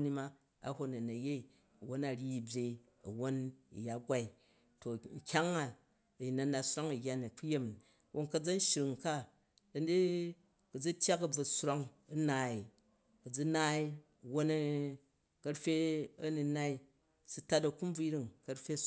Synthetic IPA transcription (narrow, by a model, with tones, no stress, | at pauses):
ni˧ma˦ | a̰˨˦ho˦nɐ˨nɐ˨je˦i˨ | ɐ˨wo˦na˨ɾʲi˦i˨bʲje˨i˦ | ɐ̰˨wo˦ni˨ja˨ɡʷa˦i˨ | to˨ŋ̩˨kʲa˦ŋa˨ | ji˨nɐ˨na˨sɾa˦ŋɐ˨jʲa˦ni˨k͡pu˦je˦m˨ | wʔo˦ŋkɐ˦d͡zɐ˦n˦ʃi˨ɾi˨ŋka˦ | dɐ˨˦ndi˦ | kɐ˨d͡zi˦tʲja˦kɐ˨b͡vɐ˨sɾa˦ŋɐ˦naː˨i˨ | kɐ˨d͡zu˦naː˦i˦˨ | wo˦n˦ | kɐ˧ɾfʲe˦ɐ˦ni˧na˦i˦ | su˦ta˦tɐ˨ku˦m˦b͡vi˦ɾi˦ŋkɐ˧ɾɸʲe˦